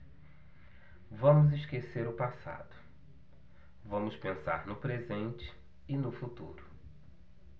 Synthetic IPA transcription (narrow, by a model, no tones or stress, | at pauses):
vɐ̃mʊziskeseɾʊpasa̰d̪ʊ | vɐ̃mʊspẽsa̰ɾnʊpɾezẽnt͡ʃɪ̥ | ɪnʊfut̪ṵɾʊ